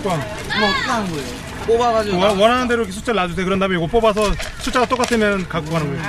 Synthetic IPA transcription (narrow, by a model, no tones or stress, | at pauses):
kan | mʌaɯnɡʌeo | pobaɡad͡ʑiwʌnɦanɯnde̞ɾoikes̬ʰu̥t͡ɕ͈eɭːad͡ʑus̬ʰekɯɾʌndamjoɡop͈obas̬ʰʌsʰut͡ɕ͈aɡat͈ok͈atʰɯmjʌnnkak͈oanɯɡojo